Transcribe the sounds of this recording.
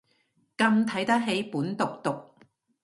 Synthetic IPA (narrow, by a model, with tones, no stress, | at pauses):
kɐ˧mt̪ʰɐ˨˥jt̪ɐ˥k̚ɦe˨˥jpuː˨˥nt̪ʊ˨k̚t̪ʊ˨k̚